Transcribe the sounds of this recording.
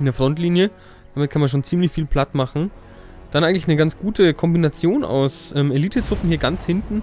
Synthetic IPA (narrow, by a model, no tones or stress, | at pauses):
ɪndeːɐfʁ̥ɔntliːnjə | d̥aːmɪt̚kʰanmanʃ̬oːnt͡siːmlɪçfiːlpʰl̥atmaχn̩ | d̥anʔaɪɡŋ̩tlɪçnəɡant͡sɡ̥uːtʰəkʰɔmbinat͡sjoːnʔa̰ʊsʔɛːmeliːtʰətʁ̥ʊpm̩hiːɐɡant͡shɪntn̩